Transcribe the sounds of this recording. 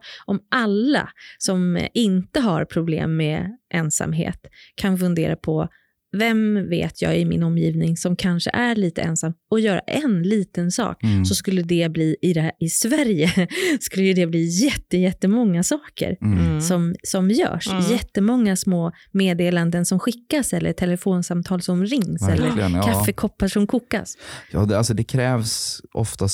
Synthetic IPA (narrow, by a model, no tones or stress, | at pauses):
ʔɔmʔalːa̰sɔmɪnt̪əɦaɾpʰɾʊblḛːmːɛʔɛnsa̰mɦḛːt̪kʰanfɵnd̪eːɾapʰɔ | vɛmvḛːt̪ʰjɑ̰ːɡɪmɪ̰nɔmːjiːvnɪŋsɔmkʰanʂə̰ʔæɾɭiːt̪ə̰ʔɛnsamːɔjœːɾa̰ʔɛnliːt̪ənsɑ̰ːksɔskɵlːəd̪ɛbliːʔɪd̪ɛɪsvæɾjəskɵlːəjɵd̪ɛbliːjɛt̪ːəjɛt̪ːəmɔŋːasɑːkə̰ɾsɔmsɔmjœ̰ːʂjɛtt̪ːəmɔŋːasmoː | meːd̪eːland̪ənsɔmɧɪkːasɛlːəʈʰɛləfoːnsamt̪ʰɑːlsɔmɾɪŋːsɾɛ̰lːəɾəkʰafːəkʰɔpːaʂɔmkʰuːkːa̰sjɑ̰ːd̪alsɔd̪ɛkʰɾɛːvsʔɔ̰ft̪as